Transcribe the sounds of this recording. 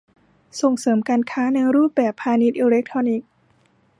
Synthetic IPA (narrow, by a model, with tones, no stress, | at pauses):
so˨˩ŋsɤː˩˦mkaː˧nkʰaː˦˥na˧jɾuː˥˩p̪̚bɛː˨˩pʰːaː˧ni˧˦˥t̪̚ʔiː˧le˦˥k̚t̪ʰɾɔː˧ni˦˥k̚